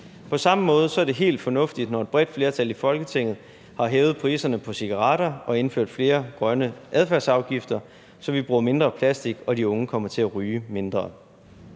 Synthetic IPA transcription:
pʰɒ̽sɑ̈məmɔ̽ːð̞ˠsɒ̽æɐd̥e̝ɦe̝̰ːld̥fɒ̽nɔ̽fd̥id̥nɒe̝d̥̚b̥ʁɛd̥fle̝ɐt͡sʰælifɒ̽lɡ̥ət͡sʰe̝ŋ̰ð̩ˠ | hɑ̈ɦeːʊð̞̩ˠpʰʁḭːsɐnəpʰɒ̽siɡ̥ɑ̈ʁɑ̈ːɾɐɒ̽e̝nføɐ̰d̥fle̝ːɐɡ̥ʁɶnəʔæð̞ˠfæɐsɑ̈ʊɡ̥ifd̥ɐ | sɒ̽ʋib̥ʁuːɐme̝nd̥ʁɐːpʰlæsd̥iɡ̥ɒ̽diɔ̽ŋəkʰɒ̽m̰ɐt͡sʰe̝æʁyːəme̝nd̥ʁɐː

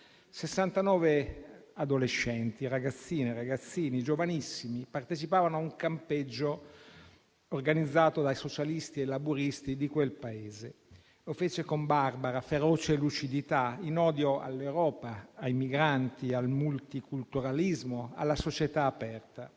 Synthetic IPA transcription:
sesːant̪anɔːvead̪oleʃːɛnt̪iraɡat̪sːiːneɾaɡat̪sːiːnid͡ʒovanisːimipart̪et͡ʃipaːvanoauŋkamped͡ʒːo | orɡanid̪zːaːt̪od̪ajsot͡ʃalist̪ielːabuɾist̪id̪ikwelpaeːze | lofeːt͡ʃekombarbaɾafeɾɔːt͡ʃelut͡ʃid̪it̪ainɔːd̪joa̰lːewɾɔːpaːjmiɡɾant̪ialmult̪ikult̪uɾalizmoa̰lːasot͡ʃet̪aːpɛrt̪a

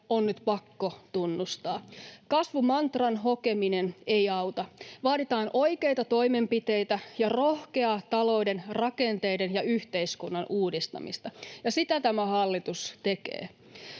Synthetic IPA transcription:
onnyt̪pɑkːot̪unːust̪ɑːkɑsʋumɑnt̪rɑnɦokeminenejɑuwt̪ɑʋɑːɾit̪ɑːnʔo̞jke̞jt̪ɑt̪o̞imempit̪e̞jt̪æjɑrohke̞ɑt̪ɑlo̞idenrɑkent̪e̞idenjɑyht̪e̞iskunːɑnʔuːdist̪ɑ̰mḭst̪ɑjɑsit̪æt̪æmæhɑlːit̪ust̪e̞kḛː

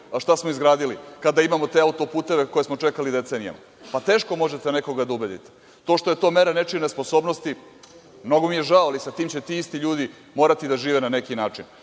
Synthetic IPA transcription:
ʃt̪asmoizɡɾaːd̪ilikad̪aimamo̞t̪eːaut̪opuːt̪e̞ʋe̞ko̞je̞smo̞t͡ʂe̞kalid̪e̞t̪se̞ːnija̰ma̰ | pat̪eːʃko̞mo̞ʒet̪eneko̞ɡad̪aubed̪ḭt̪e̥ | t̪o̞ːʃt̪o̞je̞t̪o̞ːme̞ɾanet͡ʃinespo̞so̞ːbnost̪i | mno̞ɡomijeʒaoalisat̪iːmt͡ɕet̪iist̪iʎuːd̪i | mo̞ːɾat̪id̪aʒiːʋenane̞kinaːt͡ʂin

